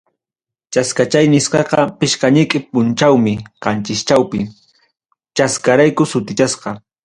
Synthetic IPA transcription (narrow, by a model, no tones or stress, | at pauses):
t͡ʃaskat͡ʃajnɪsqɑqɑpɪʃkaɲɪkʼɪpʊnt͡ʃawmɪqɑnt͡ʃɪst͡ʃawpɪ | t͡ʃaskaɾajkʊsʊt̪ɪt͡ʃasqɑ